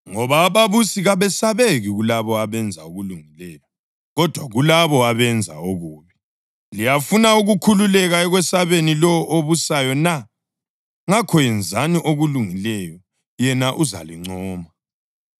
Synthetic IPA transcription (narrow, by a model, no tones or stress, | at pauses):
ŋɔβaːβaβusiɣaβɛsaβeɣiɣulaβɔaβɛnd͡zʱa̰uɣuluŋilɛjɔ | ɣɔd̥ʱwaɣulaβɔaβɛnd͡zʱa̰oɣuːβi | lijafunauɣukʰululɛɣaɛɣwɛsaβenilɔʔoβusajɔna | ŋakʰɔjɛnd͡zʱaniʔoɣuluŋilɛjɔ | jɛnaʔuza̰liŋ͡ǀɔːma